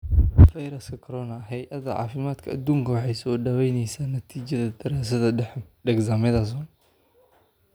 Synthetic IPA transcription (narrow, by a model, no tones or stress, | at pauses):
fɐjɾɐskʰɐkʰɔɾɔnɐɦɛjʔɐðɐʕɑ̰ːfɪmaːd̪kʰɐːd̪uːŋkʰɐwɑħɑjsɔːɖɐwɛjnɛjsaːnɐt̪ʰiːt͡ʃɐðɐd̪ɐɾaːs̬ɐðɐɖɛɡsamɪðɐs̬ɔːn